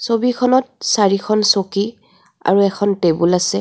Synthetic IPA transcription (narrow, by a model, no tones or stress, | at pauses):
sobikʰɔnɔt̚saɹikʰɔnsoki | a̰ɹuɛkʰɔntebulasɛ